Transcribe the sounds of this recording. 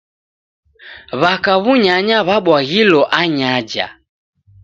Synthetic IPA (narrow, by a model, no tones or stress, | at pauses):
βakaβuɲaɲaβaɓwaɣilɔʔaɲad͡ʒa̰